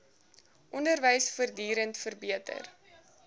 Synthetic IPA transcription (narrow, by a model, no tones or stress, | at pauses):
ʔɔndərvəjsfərdiːɾəntfərbiətə̰r